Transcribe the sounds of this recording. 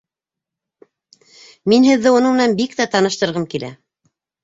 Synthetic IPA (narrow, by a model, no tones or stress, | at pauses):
minɦɘ̆ðːɘunɤmɘ̆nænbikt̪æt̪ɑnɤ̆ʃt̪ɤ̆ɾʁɤmkilæ̰